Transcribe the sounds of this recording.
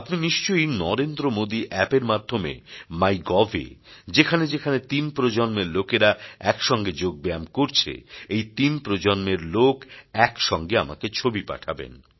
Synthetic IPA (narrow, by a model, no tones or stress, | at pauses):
apniniʃt͡ɕojinɔɾend̪ɾomod̪iʔɛpeɾmad̪ʱomḛmajɡɔvʱḛd͡ʑekʰaned͡ʑekʰanet̪inpɾod͡ʑonmeɾlokeɾaɛkʃɔŋɡed͡ʑoɡ̚bamkoɾt͡ɕʰḛejt̪inpɾod͡ʑonmeɾlokɛkʃɔŋɡeama̰ket͡ɕʰobipa̰ʈʰabḛn